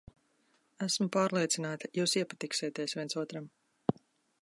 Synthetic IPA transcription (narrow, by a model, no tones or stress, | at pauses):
æsmupaːɾlˠiɛt̪sinaːt̪ḁjuːsiɛpat̪iksiːt̪iɛsvʲiɛnsuɔt̪ɾam